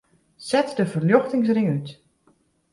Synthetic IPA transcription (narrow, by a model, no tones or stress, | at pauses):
sɛtdəfərljoxtɪŋs̬rɪŋyt